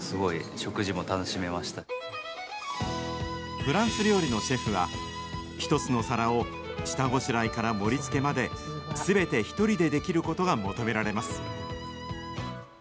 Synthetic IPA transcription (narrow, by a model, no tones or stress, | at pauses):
sɨɡo̞iɕo̞kɯ̟ʑimo̞t̪ano̞ɕime̞maɕi̥t̪a | ɸɯ̟ɾãɰ̃sɨɾʲo̞ːɾʲino̞ɕe̞ɸɯ̟βa̰ | çi̥t̪o̞t͡sɨno̞saɾao̞ | t͡ɕi̥t̪aɡo̞ɕiɾaikaɾamo̞ɾʲit͡sɨ̥ke̞mad̪e̞ | sɨbe̞t̪e̞çi̥t̪o̞ɾʲid̪e̞d̪e̞kʲiɾɯ̟ko̞t̪o̞ɡamo̞t̪o̞me̞ɾaɾe̞masɨ̥